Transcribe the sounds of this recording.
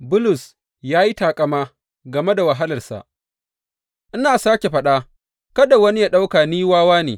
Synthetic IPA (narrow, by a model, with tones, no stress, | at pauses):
bʊ˦lʊ˨s | jaː˦ji˦taː˨kʼɐ˦maː˦ | ɡɐ˨me˦da˨wɐ˨ɦa˦lɐ˨rsa̰˨ʔ | ʔɪ˦naː˨saː˦kʲe˨ɸɐ˦ɗa˦ | kɐ˦da˨wɐ˦ni˦ja˦ɗa˦wkaː˨niː˦waː˦waː˦nḛː˨